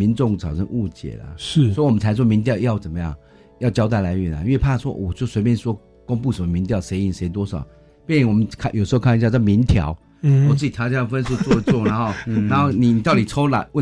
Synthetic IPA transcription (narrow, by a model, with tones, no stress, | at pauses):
mi˧˦nʈ͡ʂʊ˥˧ŋt͡sʰɑ˨˩ʊʈ͡ʂʰə˦˥ŋʔu˥˧t͡ɕjɛ̰˨˩lə̰˨˩˥sɔ˧˥i˨wɔ˨mə˦nt͡sʰa˧˥ɪʂ̬wɔ˥mi˧˥ŋt̪jɑ˥˧ʊjɑ˥˩ʊt͡sə˨˩nmə˦jɑ̰˥˩ŋ | jɑ˥˩ʊt͡ɕjɑ˥ʊt̪̬a˥˩ɪla˧˥ɪɥɛ˨˩na̰˧˦˥nwe˥˧pʰa˥˩ʂwɔ̰˦˥wɔ˨˩t͡ɕjo˥˩swe˧ɪp̬jɛ˥nswɔ˥ | ko˥ŋpu˥˩sə˨˩mə˧mi˧˥ŋt̪jɑ˥˨˩ʊʂe˧˥ɪi˨˩nʂe˧˥ɪt̪wɔ˥ʂɑ˨˩ʊ | pjɛ˥˧ni˨˩nwɔ˨˩mə˦kʰa˥˧jʂ̩˧˥˧kʰa˥˩˨ɕja˥˧t͡ɕmi˧˥nt̪ʰjɑ̰˧˥˦ʊ | wɔ˨˩t͡s̩˥˩t͡ɕi˨˩t̪ʰjɑ˧˥ʊ˥jɑ˥˩fə˦nsu˥˧t͡swɔ˥˧˦t͡swɔ˥˨na˧˥xo˥˩ʊna˧˥nxo˥˩ʊni˨˩ni˨t̪ɑ˥˩ʊt̪i˨˩t͡sʰo˥ʊla̰˨˧˦wə˥˨